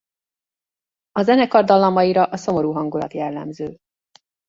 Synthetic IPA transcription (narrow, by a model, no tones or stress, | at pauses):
ɒzɛnɛkɒrd̪ɒlːɒmɒjiɾɒʔɒso̞mo̞ɾuːɦɒŋɡulɒ̰t̪jɛlːɛ̰mzøː